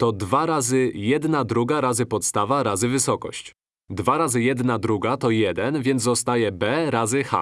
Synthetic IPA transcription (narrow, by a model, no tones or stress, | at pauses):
t̪ɔd̪vaɾazɘjɛd̪nad̪ɾuɡaɾazɘpɔt̪st̪avaɾazɘvɘsɔkɔ̰ɕt͡ɕ | d̪vaɾazɘjɛd̪nad̪ɾuɡat̪ɔjɛd̪ɛnvʲjɛnd̪ɔst̪ajɛbɛɾazɘxa̰